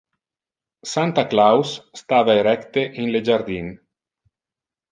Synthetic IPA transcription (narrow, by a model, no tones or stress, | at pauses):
sant̪aklawsːt̪aːvaeɾɛkt̪eʔinled͡ʒard̪in